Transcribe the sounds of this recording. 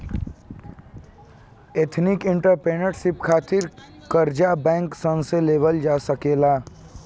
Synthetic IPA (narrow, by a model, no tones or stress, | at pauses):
eːt̪ʰnɪkɪ̃ɳʈəɾpeːnəʈʃɪpkʰaːt̪ɪɾ | kəɾd͡ʒabɛ̃ːŋksə̃nseleːʋəld͡ʒaːsəkeːlaː